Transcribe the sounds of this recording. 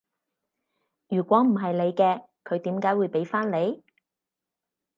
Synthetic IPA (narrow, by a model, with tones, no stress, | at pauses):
jyː˨˩kʷwɔː˨˥m̩˨˩ɦɐ˨jle˨˧jkɛː˧ | kʰɵ˨˧ɥt̪iː˨˥mkaː˨˥jwuː˨˧jpe˨˥jfaː˥nle˨˧j